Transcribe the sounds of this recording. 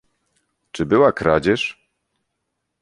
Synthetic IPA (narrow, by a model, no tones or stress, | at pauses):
t͡ʂɘbɘwakɾad͡ʑɛʂ